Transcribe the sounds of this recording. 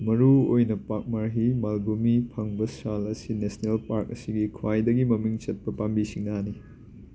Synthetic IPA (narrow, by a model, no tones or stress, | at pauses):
mɐɾuojnɐpak̚maɾɦimalbumipʰɐŋbɐsalɐsinesnelpaɾk̚ɐsiɡikʰwajdɐɡimɐmiŋt͡ʃɐt̚pɐpambisiŋnani